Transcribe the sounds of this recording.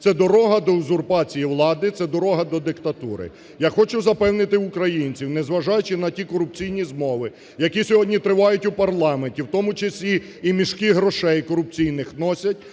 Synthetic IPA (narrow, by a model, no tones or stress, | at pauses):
t̪sɛd̪ɔɾɔɦɐd̪ɔzʊrpɑt͡sʲijiwlˠɑd̪ɪt̪sɛd̪ɔɾɔɦɐd̪ɔd̪ɪkt̪ɐt̪uɾɪ̰ | jaxɔt͡ʃʊzɐpɛwnɪt̪ɪʊkɾɐjinʲt͡sʲiwnɛzʋɐʒɑjʊt͡ʃɪnɐtʲikɔɾʊp̚t͡sʲijnʲizmɔʋɪ | jɐkisʲɔɦɔdʲnʲit̪ɾɪʋɑjʊtʲʊpɐrlˠɑmenʲtʲiwt̪ɔmʊt͡ʃɐsʲlʲi | imʲiʃkɪɦɾɔʃɛjkɔɾʊp̚t͡sʲijnɪxnɔsʲɐtʲ